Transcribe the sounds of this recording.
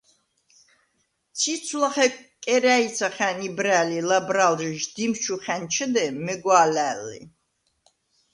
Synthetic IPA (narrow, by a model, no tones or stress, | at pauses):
t̪t͡sʰit̪sʰulaχɛkʼɛɾæit̪sʰaχænibɾæːlilabɾalʒʒd̪imʃʰuχænt͡ʃʰəd̪ɛmɛɡwaːlæːlːḭ